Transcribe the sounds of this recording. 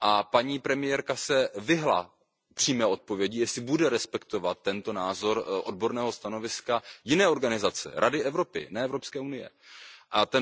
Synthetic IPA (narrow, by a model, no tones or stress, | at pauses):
ʔapaɲiːpɾɛmɪjɛɾkasɛvɪɦla̰ | pr̥iːmɛːʔo̞t̪̚po̞vjɛɟɪjɛsɪbudɛɾɛspɛkt̪o̞vat̪ːɛnt̪o̞naːzo̞ɾʔo̞̰d̚bo̞ɾnɛːɦo̞st̪ano̞vɪskajɪnɛːo̞ɾɡanɪzat͡sɛ̰ɾʔadɪʔɛvɾo̞pɪ̰nɛɛvɾo̞pskɛːunɪjɛ̰ | ʔat̪ɛ